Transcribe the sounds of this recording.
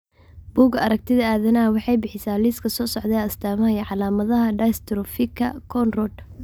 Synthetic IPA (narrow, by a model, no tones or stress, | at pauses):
b̥uːɡɐɾɐk̚t̪ʰɪðɐaːðɐnɐwɑħɑjbɪħɪsaːliskʰɐsɔːsɔʕd̪ɛɐst̪ʰaːmɐhɐjɐʕɑlaːmɐðɐɦɐɖɐjst̪ʰɾɔfɪkʰɐ̰kʰɔnrɔd̪